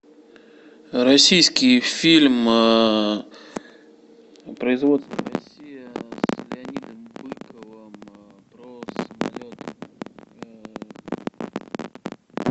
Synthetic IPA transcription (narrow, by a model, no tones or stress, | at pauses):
ɾɐsʲijskʲɪjfʲilʲm | pɾəɪzvo̞t̪st̪və̰ɾɐsʲijɪslʲɪɐnʲid̪əmbɨkəvəmpɾosəma̰lʲot̪ə